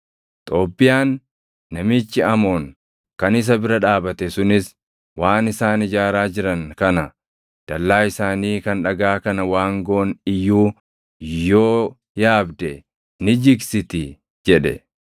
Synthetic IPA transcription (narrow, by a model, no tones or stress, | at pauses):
t̪ʼo̞ːpːɪjaːnː | ɐmɪt͡ʃːɪɐmo̞ːŋ | kɐnɪs̬ɐbɪɾɐᶑaːbɐt̪ɛsʊnɪs | waːnɪsaːnɪd͡ʒaːɾaːd͡ʒɪɾɐŋkɐnɐ | d̪̥ɐlːaːɪsaːniːkɐnᶑɐɡaːkɐnɐwaːŋɡoʔnɪjːuː | joː | jaːbd̪ɛ | nɪd͡ʒɪɡsɪt̪ɪ | d͡ʒɛᶑɛ̰